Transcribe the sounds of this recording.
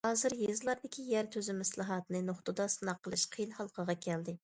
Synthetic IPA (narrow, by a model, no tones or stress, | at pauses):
hɑːzɨɾjezlˠɑɾd̪ɪkʲijæɾt̪ʰøzɪmɛslˠɨɦɑt̪nɨnoχt̪ud̪ɑsɨnɑqʰːəlˠɨʃqʰijnhɑlˠqʰəʁɑkʲʰɛld̪ɪ